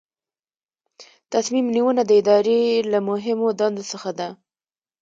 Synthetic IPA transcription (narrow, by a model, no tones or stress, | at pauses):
t̪asmimniwənad̪əɪd̪ɑɾelamʊɦɪmod̪ɑnd̪osəxad̪a